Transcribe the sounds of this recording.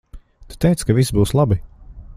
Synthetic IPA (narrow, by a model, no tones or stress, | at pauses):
t̪u̥t̪ɛjt̪skavis̬buːslˠabi